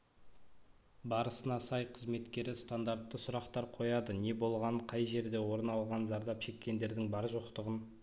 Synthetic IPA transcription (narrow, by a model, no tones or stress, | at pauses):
bɑɾəsənɑsɑjqʰəzme̞t̪kʲe̞ɾɪst̪and̪aɾt̪ːəsʊɾɑqt̪ɑɾqʰo̞jɑd̪əne̞bo̞lˠʁɑɴqʰɑjʒe̞ɾd̪e̞wo̞ɾənɑlˠʁɑnzɑɾd̪ɑpʃe̞kʲːe̞nd̪e̞ɾd̪ɪŋbɑɾʒo̞qt̪əʁən